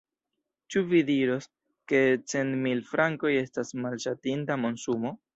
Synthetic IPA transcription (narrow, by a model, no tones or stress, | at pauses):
t͡ʃuvidiɾo̞s | ke̞t͡se̞nmilfɾaŋko̞je̞stasmalʃatintamo̞nsumo̞